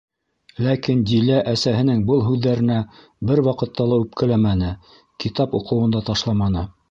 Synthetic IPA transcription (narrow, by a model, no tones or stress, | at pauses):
lækind̪ʲilæʔæsæɦɘ̆nɘŋbɤlˠɦʉðːæɾɘ̆næ | bɘɾwɑqɤ̆t̪ːɑlˠɑʉp̚kɘ̆læmænɘ | kit̪ɑpŏqɤ̆wɤ̆nd̪ɑt̪ɑʃlˠɑmɑnɤ